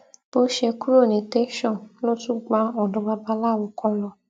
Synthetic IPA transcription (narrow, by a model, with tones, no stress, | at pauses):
b̥o˦ʃe˧ku˦ɾo˦˨ne˨te˦ʃɔ̃˦˨nlo˦tũ˦ɡ͡ba˧ɔ˨dɔ˧ɡ͡ba˧ba˧la˦˨wu˧kɔ˧lɔ˧˨